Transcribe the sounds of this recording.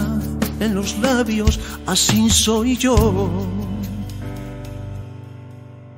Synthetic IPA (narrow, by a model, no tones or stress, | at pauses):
enlo̞zlaβjo̞sasinso̞jʝo